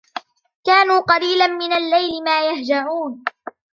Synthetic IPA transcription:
kaːnuːqɑliːlanmɪnalːajlɪmaːjahd͡ʒaʕuːn

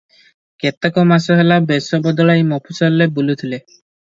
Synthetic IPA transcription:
ket̪akɔmasɔɦelabesɔbɔd̪ɔɭajmɔpʰusɔllebulut̪ʰile

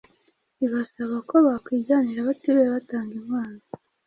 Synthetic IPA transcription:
iβasaβako̞βakwiːɟaːniɾaβatiɾejaβataːŋɡimaːna

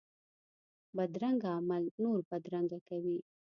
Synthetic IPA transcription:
bad̪ɾaŋɡaːmalnoɾbad̪ɾaŋɡakawi

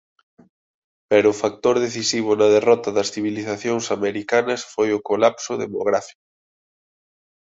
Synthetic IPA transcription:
pɛɾʊːfak̚t̪oɾðeθisiβ̞ʊnɐðerɔt̪ɐðɐsθiβ̞iliθaθjoŋsameɾikanɐsfojʊkolapsʊðḛmo̰ɣɾafi̥kʊ

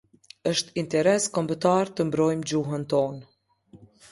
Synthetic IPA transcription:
əʃt̪int̪ɛɾɛskɔmbət̪aɾt̪əmbɾɔjmd͡ʑuɦənt̪ɔn

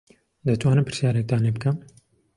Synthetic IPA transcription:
d̪ɐt̪ʰwɑːnɨmpʰɨɾsjɑːɾek̚d̪ɑːneːbɨkʰɛm

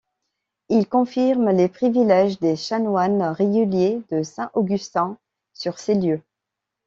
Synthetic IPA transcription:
ilkɔ̃fiʁmlepχivilɛʒd̪eʃanwanʁeɡʲyljed̪əsɛ̃ʔoɡʲyst̪ɛ̃ | syʁseljø

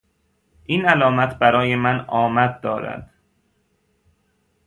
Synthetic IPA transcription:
ʔiːnælɒːmæt̪ʰbæɾɒːjemænɒːmæd̪̚d̪ɒːɾæ̰d̪̥

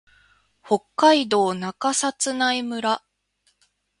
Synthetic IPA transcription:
ho̞kːaid̪o̞ːnakasat͡sɨnaimɯ̟ɾa

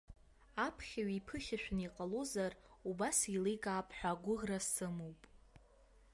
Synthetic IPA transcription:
apʰχʲaɥipʰɨχʲaʃᶣniqʼalozarubasilijkʼaːpʼħʷᶣaɡʷʊʁrassɨmowpʼ

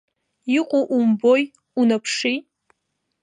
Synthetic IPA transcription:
iqʷʼʊʔumboj | unapʰʂi

